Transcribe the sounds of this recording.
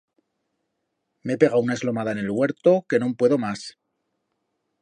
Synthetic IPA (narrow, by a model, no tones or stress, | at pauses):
me̞epe̞ɣ̞aunae̞zlo̞maðaene̞lwe̞ɾt̪o̞ke̞nõmpwe̞ðo̞mas